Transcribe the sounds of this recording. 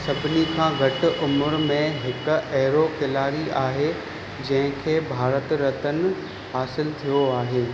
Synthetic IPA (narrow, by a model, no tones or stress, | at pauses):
sɐbʱɪnikʰãːɡʱɐʈʊ̆ʔʊmʊɾmẽɦɪkɛɦɾokɪlaːɾiaːɦe | d͡ʑɐ̃ɦɪ̃kʰeːbʱaːɾət̪ɾɐt̪ənɪ̆ | ɦaːsɪlt̪ʰijoaːɦeː